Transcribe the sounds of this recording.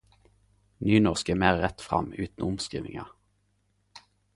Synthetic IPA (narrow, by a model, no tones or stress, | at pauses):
nyːnɔʁskəːmeːʁʁɛt̪fʁɑ̰mʉːt̪n̩ʊmskʁḭːʋɪ̰ŋɑ̰